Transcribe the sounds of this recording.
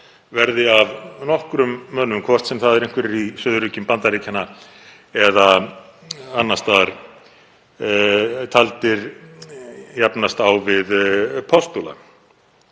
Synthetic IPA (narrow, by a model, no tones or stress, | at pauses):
vɛɾðɪavnɔhkɾʏmːœːnʏmkʰvɔr̥t̪sɛmθaðɛɾejŋkvɛɾɪɾisœːðʏɾʏcʏmpant̪aɾiːcʰanːa | ɛða | anːast̪aɾ̥ | t̪ʰalt̪ɪɾ | japnast̪awvɪðpʰɔst̪ula̰